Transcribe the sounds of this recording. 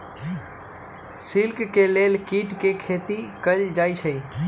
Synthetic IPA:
sɪlkkeːleːlkiːʈkekʰeːt̪ikəld͡ʒaːit͡ʃʰəiː

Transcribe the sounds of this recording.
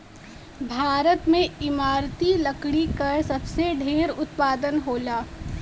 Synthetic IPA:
bʱaːɾət̪mẽɪmaːɾt̪ilɐkɽikɐɾsɐbseɖʱeːɾʊt̪paːd̪ənɦoːlaː

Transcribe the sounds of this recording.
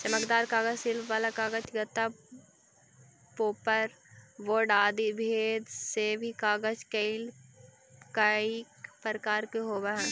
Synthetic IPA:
t͡ʃɐməkd̪aːɾkaːɡəd͡ʒsɪlbʋaːlakaːɡət͡ʃɡət̪ːa | poːpəɾ | ʋoɾɖaːd̪ibʱeːd̪sebʱikaːɡəd͡ʒkeil | kai | pəɾkaːɾkeɦoːbaɦɛ̃

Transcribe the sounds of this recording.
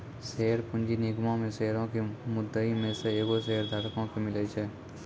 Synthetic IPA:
seːɾpʊ̃nd͡ʒinɪɡmãmẽseːɾõkemʊd̪ːəimẽseeːɡoseːɾd̪ʱəɽkõkemɪlet͡ʃʰɛː

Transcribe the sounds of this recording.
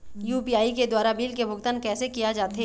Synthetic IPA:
juːpiaːiked̪waːɾabiːlkebʱʊɡt̪ankɛːsekijad͡ʒaːt̪e

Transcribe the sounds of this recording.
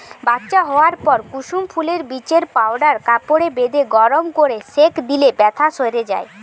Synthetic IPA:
bat̪ːɕaɦɔoaɾpɔɾkuʃumpʰuleɾbit͡ɕeɾpawɖaɾkapoɽebed̪eɡɔɾomkoɾesekd̪ilebɛt̪ʰaʃoeɾed͡ʑa̰e

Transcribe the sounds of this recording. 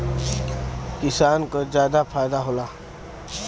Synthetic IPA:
kɪsaːnkazjaːd̪apʰaːjd̪aɦoːlaː

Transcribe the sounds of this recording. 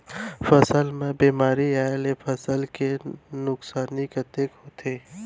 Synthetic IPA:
fəsəlmẽbiːmaːɾiaːelefʰəsəlkenʊksaːniket̪eːkɦot̪ʰeː

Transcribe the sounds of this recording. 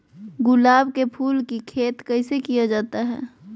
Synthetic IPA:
ɡʊlaːbkepʰuːlkikʰeːt̪kəɪsekijad͡ʒaːt̪aɦɛ̰ː

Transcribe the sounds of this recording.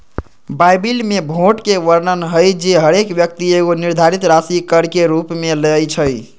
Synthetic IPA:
bajbilmebʱoʈkeʋəɾnənɦəjd͡ʒeɦəɾekbjək̚t̪ieɡoniɾd̪ʱaɾit̪ɾasikəɽkeɾupmeləjt͡ʃʰəj

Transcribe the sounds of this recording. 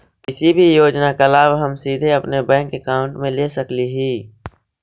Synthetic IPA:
kɪsibʱijoːd͡ʒnakəlaːʋɦɐmsiːd̪ʱeɐpnebɛ̃ːŋkːekaːʊ̃ɳʈmẽleːsəkliɦiː

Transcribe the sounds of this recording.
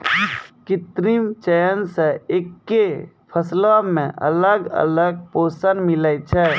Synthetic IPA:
kɪt̪ɾimt͡ʃəjənseekːe | pʰəslamẽʔə̰ləɡə̰ləɡ̚poːsənmilət͡ʃʰɛ

